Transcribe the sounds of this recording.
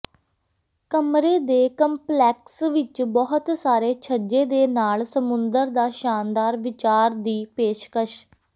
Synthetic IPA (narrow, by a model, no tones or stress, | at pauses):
kəmɾeːd̪eːkəmplɛːksʋɪt͡ʃbɔɦʊt̪saːɾeːt͡ʃʰəd͡ʒeːd̪eːnaːlsəmʊnd̪əɾd̪aːʃaːnd̪aːɾʋɪt͡ʃaːɾd̪iːpeːʃkəʃ